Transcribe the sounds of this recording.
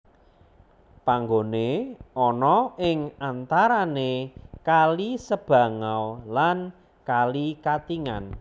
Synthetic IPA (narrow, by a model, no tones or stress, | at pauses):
paŋɡoneʔɔnɔʔɪŋant̪aɾanekalisəb̥ä̤ŋawlan | kalikat̪iŋan